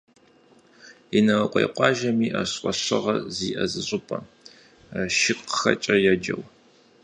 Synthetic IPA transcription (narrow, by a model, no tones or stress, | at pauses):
inɐwɐqʷʼḛjqʷʼɑːʒɐmiːʔɐɕqʷʼɔɕɨ̰ʁɐziːʔɐzɨɕʼɪpʼɐ | ʃɪqxɐ̰t͡ʃʼɐjɛd͡ʒɐ̰w